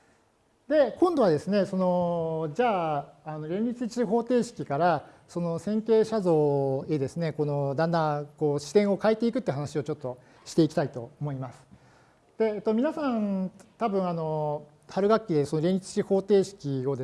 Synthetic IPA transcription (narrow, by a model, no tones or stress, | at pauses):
d̪e̞kõ̞nd̪oad̪e̞sɨne̞so̞no̞d͡ʑaːno̞ɾʲẽ̞nʲɾʲit͡sɨt͡ɕiɦo̞ːt̪e̞ːɕi̥kʲikaɾa | so̞no̞sẽ̞ŋke̞ːɕazo̞ːe̞d̪e̞sɨne̞ko̞no̞d̪ãnd̪ãko̞ːɕi̥t̪ẽ̞ɰ̃o̞kaet̪e̞ikɯ̟t̪ːeiɯ̟ɦanaɕio̞t͡ɕo̞t̪ːo̞ | ɕi̥t̪e̞ikʲi̥t̪ait̪o̞̰ːmo̞imasɨ̥ | d̪̥e̞ːt̪ːomʲinasãnt̪abɯ̟̃ɰ̃ano̞ | haɾɯ̟ɡakʲːid̪eso̞no̞ɾʲẽ̞nʲɾit͡sɨ̥t͡ɕiho̞ːt̪e̞ːɕi̥kʲio̞d̪e